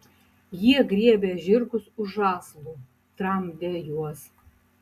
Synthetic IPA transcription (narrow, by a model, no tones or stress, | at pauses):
jiɛɡɾʲiɛbʲɛʒʲɪɾkʊsʊʒʒɑːslˠuː | t̪ɾɐmd̪ʲɛjuɔs